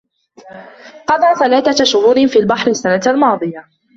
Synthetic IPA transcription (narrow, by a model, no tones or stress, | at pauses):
qɑd̪ˤɑːʕθalaːθaʃʊhuːɾfiːlbɑħɾɪasːanat̪almɑːd̪ˤɨja